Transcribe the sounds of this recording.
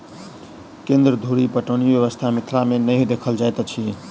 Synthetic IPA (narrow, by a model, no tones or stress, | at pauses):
kẽnd̪ɾəd̪ʱuɾipəʈənibjəβəst̪ʰamit̪ʰlamenəjd̪ekʰəld͡ʒajt̪t͡ʃʰi